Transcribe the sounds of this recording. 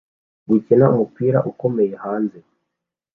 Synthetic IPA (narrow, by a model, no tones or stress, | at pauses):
ɡwicinaumupiːɾaʔuko̞me̞jehaːnze